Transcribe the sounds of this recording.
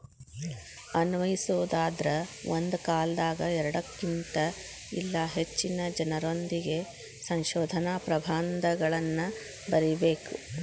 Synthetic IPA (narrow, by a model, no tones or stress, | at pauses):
ɐnʋɐjisoːd̪aːd̪ɾɐond̪ukaːld̪aːɡɐɛɾɐɽɐkːint̪ɐ | ilːɐɦet͡ʃːinɐd͡ʒɐnɐɾo̞nd̪iɡe̞ | sɐŋʃoːd̪ʱɐnaːpɾɐbʱaːnd̪ɐɡɐɭɐnːɐ | bɐɾibeːku